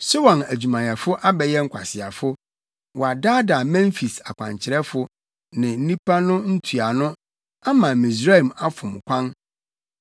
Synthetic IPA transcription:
so˦wã˨næ˨d͡ʑᶣu˨mã˨jɛ˨fʊ˦ʔa˦bɛ˨jɛ˦ŋ̩˦kʰʷa̰˨sɪ˨a˨fʊ˦ | wɔ˨a˨daː˦da˨mɛ̃˦ɱ˦fi˨sa˨kʷʰã̰˨ɲ˨t͡ɕʰɪ˨ɾɛ˦fʊ˨ | nɪ̃˨n̩˦nĩ˦pa˦nʊ̃˦n̩˦tʰu˨a˨nʊ̃˦ | a˦mã˨mĩ˨s̬ɾa˦˨ma˦fʊ̃˨m˨kʷʰã˦n

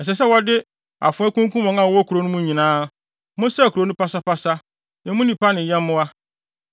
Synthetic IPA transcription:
ɛ˨s̬ɛ˨s̬ɛ˦wɔ˦dɪ˦ | a̰˨fʊ̃˨˦ɛ˦kũ˦ŋ˦kũ˦mɔ̃˨˦ã˨wɔ˦kʰu˨ɾo˨˦nʊ̃˦mũ˦ɲĩ˨nãː˦ | mʊ̃˦sɛ˦˨kʰo˨˦nʊ̃˦pa˦sa˦pa˦sa˦ | nɪ̃˨mʊ̃˦nĩ˨pa˦nɪ̃˨jɛ̃˦mː˦ʊ̃˦a˦

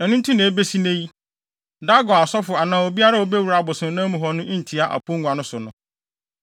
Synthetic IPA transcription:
ɛ˨nũ˦n̩˦tʰũ˦nẽ˨e˦be˦si˦nẽ˦ji˦ | da˦ɡɔ˨a˨sɔ˦fʊ˨a˨nãː˨o˨bi˦a˦ɾa˦wo˦be˦wu˨ɾa˨bʊ˨sʊ̃˨˦nãː˦mũ˨ɦɔ˨nʊ̃˦ʔĩ˦n̩˨tʰi˨a˨ʔa̰˨pʰʊ̃˦ŋʷ˨a˨nʊ̃˦sʊ˨nʊ̃˨˦

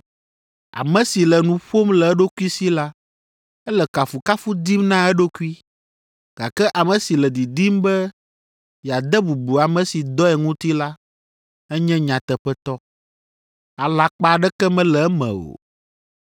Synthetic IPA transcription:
a̰˨mɛ̃˨si˨lɛ˨nũ˨ɸo˦mlɛ˨ɛ˦ɖo˦ku˦i˦si˦la˦ | ɛ˦lɛ˨ka˨fu˨ka˦fu˦d̪i˦mnã˦ɛ˦ɖo˦ku˦i˦ | ɡ̥a˨kɛ˦ʔa˨mɛ̃˨si˨lɛ˨d̪i˨d̪i˦mbɛ˦ | ja˨d̪ɛ˦bu˨bu˨a˨mɛ̃˨si˨d̪ɔ˦ɛ˨ŋũ˦t̪i˦la˦ | ɛ˦ɲɛ̃˦ɲã˨t̪ɛ˨ɸɛ˦t̪ɔ˦ | a˨la˨k͡pa˦˨ɖɛ˦kɛ˦mɛ̃˦lɛ˨ɛ˦mɛ̰̃˨o̰˨

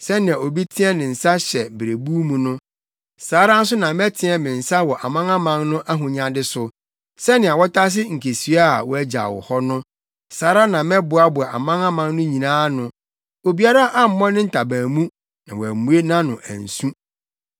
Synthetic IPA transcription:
sɛ˦nɪ̃˨a˨o˨bi˦tʰɪ̃˦ɛ˦nɪ̃˨n̩˨sa˦ɕɛ˨bɾe˨bu˦mũ˨nʊ̃˦ | saː˨˦ɾa˦n̩˦s̬ʊ˦nã˨mɛ˦tʰɪ̃˦ɛ˦mɪ̃˨n̩˨sa˦wɔ˨ʔa˨mã˦ŋã˦mã˦ŋnʊ̃˦ʔæ˦ɦʊ̃˨ɲã˨dɪ˦sʊ˨ | sɛ˦nɪ̃˨a˨wɔ˦tʰa˦s̬ɪ˦ŋ̩˨kʰe˨sɥa˦˨wɔ˦æ˦d͡ʑa̰˨wɔ̰˨hɔ˦nʊ̃˦ | saː˨˦ɾa˦nã˨mɛ˦bʊ˨˦a˦bʊ˨a˨a̰˨mã˦ŋã˦mã˦ŋnʊ̃˦ɲĩ˨nãː˦nʊ̃˨ | o˨bi˨˦a˦ɾa˦ʔa˦m̩˨mɔ̃˦nɪ̃˦n̩˨tʰa˨bæ̃ː˨mũ˦ | nã˨wɔ˨æ˨mũ˦e˦nã˦nʊ̃˨ʔæ̰̃˨n̩˨sũ˦

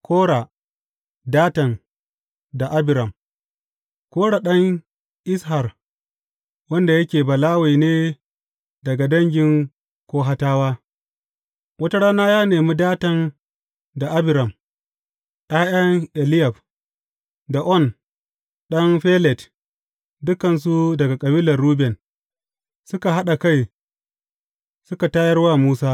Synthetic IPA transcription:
kʷoː˦ɽa˨ | daː˦tɐ˨n | da˨ʔa˦bɪ˨ɾɐ˨m | koː˦ɽa˨ɗɐ˦ŋ | ʔɪ˦sɦa˨r | wɐ˦nda˨jɐ˦kʲeː˨ba˨laː˦we˨neː˦ | dɐ˨ɡa˨dɐ˦ŋɡʲɪ˨ŋ | kʷoː˦ɦa˦taː˦waː˦ | wɐ˦ta˦ɽaː˦naː˦jaː˦neː˨mu˦daː˦tɐ˨n | da˨ʔa˦bɪ˨ɾɐ˨m | ɗaː˦jɐ˦ŋʔɛ˨lɪ˦ja˨b | da˨ʔɔ˦n | ɗɐ˦nɸeː˦lɛ˨t | dʊ˦kɐ˨ns̬u˦dɐ˨ɡa˨kʼɐ˨biː˦lɐ˨rːuː˦bɛ˨n | sʊ˦ka˨ɦa˦ɗa˨ka˦j | sʊ˦ka˨taː˦jɐ˦rwaː˦muː˦saː˦

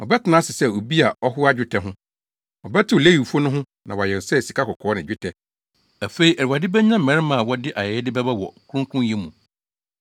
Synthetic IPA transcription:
wɔ˨bɛ˦tʰɪ˨nãː˨˦sɪ˨sɛ˦o˨bi˦a˨ɔ˦ɦʊ˦a˦d͡ʑᶣʊ˦tʰɛ˦ɦʊ̃˦ | wɔ˨bɛ˦tʰɪ˦o˨le˦ji˨fu˦o˦nʊ̃˦ɦʊ̃˦ | nã˨wa˨jɛ˨sɛ˦˨si˨kʰa˦kʰɔ˨kʰɔː˨˦nɪ̃˨d͡ʑᶣʊ˦tʰɛ˨ | æ˨fe˨˦i˨ʔɛ˨ɾwa˨dɪ˦bɛ˦ɲ˦ã˦m̩˨mɛ̃˨ɾmã˨wɔ˦dɪ˦ʔa˨jɛ˨ɛ˦dɪ˦bɛ˦bɛ˦wɔ̰˨kʰʊ˦ʊ̃˦kʰʊ̃˦jɛ˦mũ˨

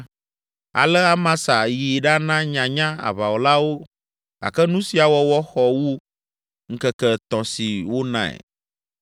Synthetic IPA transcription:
a̰˨lɛ˦a˦mã˦sa˨ji˨ɖa˦nã˦ɲã˨ɲã˦a̰˨βa˨wo˨la˦wo˦ | a̰˨kɛ˦nũ˦si˨a˨wɔ˦wɔ˦xɔ˨wu˦ | ŋ̩˦kɛ˦kɛ˦t̪ɔ̃˨si˨wo˦nã̰˦ɛ̰˨

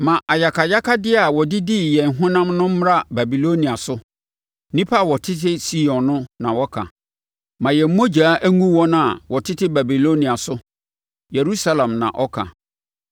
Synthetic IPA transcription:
mã˨ʔa˨ja˨kʰa˨ja˦kʰa˦dɪ˦a˨wɔ˨dɪ˦di˦jɛ̃˨ŋ˨ɦʊ̃˦nã˦mnʊ̃˦m̩˦ɾa˦ba˨bi˨lo˦nĩ˨a˨sʊ˦ | nĩ˦pʰa˦˨wɔ˨tʰɪ˦tʰɪ˦si˦jɔ̃˨nnːʊ̃˦nã˨wɔ˦kʰã̰˨ | mã˨jɛ˨m̩˦mo˦d͡ʑaː˨˦ʔæ˦ŋũ˦wɔ˦nã˦a˨wɔ˨tʰɪ˦tʰɪ˦ba˨bi˨lo˦nĩ˨a˨sʊ˦ | je˨ɾu˦sa˦lã˨mnã̰˨ʔɔ˦kʰa̰˨

